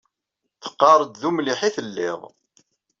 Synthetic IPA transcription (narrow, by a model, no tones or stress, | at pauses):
θə̥qːɑɾˤəd̪ðumliħiθəlːɪ̰ʁˤ